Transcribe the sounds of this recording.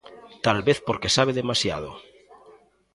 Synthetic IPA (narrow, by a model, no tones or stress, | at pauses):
t̪alβeθpoɾkesaβ̞eðemasja̰ð̞o̰